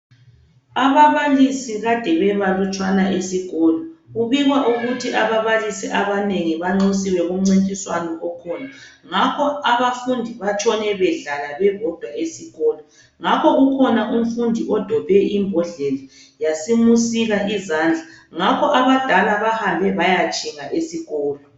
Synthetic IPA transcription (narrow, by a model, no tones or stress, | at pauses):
aβaβalisiɣad̥ʱɛβɛβalut͡ʃʼwanaʔesiɣɔlɔɣuβiɣwaʔuɣutʰiʔaβaβalisiʔaβaneŋiβaŋ͡ǀisiwɛɣum̩ŋ͡ǀintʼiswanɔʔɔkʰɔːnaŋakʰɔaβafundʱiβat͡ʃʼɔnɛβɛɮalaβɛβʱɔd̥ʱwaesiɣɔːlɔ | ŋakʰɔɣukʰɔnaʔum̩fundʱiʔɔd̥ʱɔb̥ʱɛʔimbʱɔɮeli | jasimusiɣaʔizaːnd͡ɮʱaŋakʰɔʔaβad̥ʱalaβahambʱɛβajat͡ʃʼiŋaʔesiɣɔːlɔ